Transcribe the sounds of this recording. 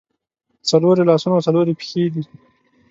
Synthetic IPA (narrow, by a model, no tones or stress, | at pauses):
t͡saloɾelɑsunawsaloɾepi̥xed̪i